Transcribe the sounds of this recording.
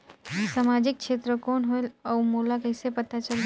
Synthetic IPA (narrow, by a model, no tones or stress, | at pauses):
samaːd͡ʒɪk̚ʃeːt̪ɾəkoːnɦoelɔːmoːlakəɪsepət̪at͡ʃəl